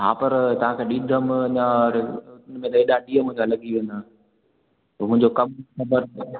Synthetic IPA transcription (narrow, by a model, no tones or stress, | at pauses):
ɦa̰ːpɐɾt̪ɐʋ̤ãkʰeːɗid̪ʱəmɲãɾʊnmẽt̪ɐeːɗaɗiːəmʊ̃ɦɪ̃ɲd͡ʑalɐɠiʋẽːnd̪aː | mʊ̃ɪ̃ɲd͡ʑokɐmxɐbəɾ